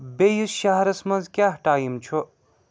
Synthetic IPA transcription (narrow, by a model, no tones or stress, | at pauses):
bejuʃaɦɐɾɐsmɐnzkjaɦʈaːjimt͡ʃʰu